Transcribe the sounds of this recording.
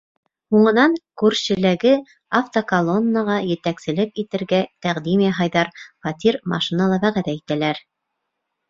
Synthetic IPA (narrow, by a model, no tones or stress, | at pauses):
huɴɤ̆nɑŋkʉɾɕɘ̆læɡɘ | ɑft̪okɐlˠo̞nːəʁɑjɘ̆t̪æksɘ̆lɘpit̪ɘ̆ɾɡæt̪æʁd̪imjæɦɑjðɑɾfɑt̪ʲiɾmɑ̰ʃinɑlˠɑβæʁæðæit̪ælæɾ